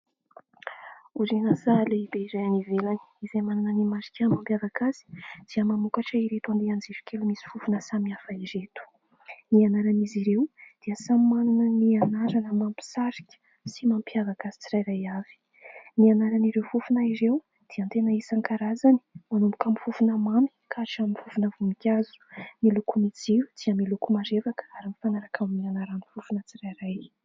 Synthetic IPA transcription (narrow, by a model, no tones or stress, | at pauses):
uɾinasaleibeiɾajanivelani̥izemanunənimaɾi̥kʲamampjavakaz̥i̥d̪̥iəmamukaʈ͡ʂəiɾet̪uand̪eand͡zeɾu̥kʰelumisi̥fufunəsamiafaiɾet̪u̥ | nianaɾaniziɾewd̪̥iəsammanunənianaɾanəmampi̥saɾi̥kʲə̥ | simampiavaɡazi̥t͡siɾajɾajavi̥ | nianaɾaniɾewfufunaiɾew | d̪̥iənt̪enəisaŋkaɾazani̥manumbukamifufunəmami̥kʰaʈ͡ʂaminfufunəvumikʲazu̥milukumid͡ziɾu̥d͡z̥iəmilukumaɾevakə̥aɾimifanaɾakʰaminianaɾanifufunət͡siɾajraj